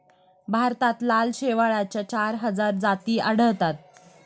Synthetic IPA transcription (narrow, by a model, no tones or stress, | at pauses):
bʱaɾt̪at̪lalɕeʋaɭat͡ɕjat͡ɕaɾɦəd͡zaɾd͡zat̪iːʔəɽ̤əʋt̪at̪̚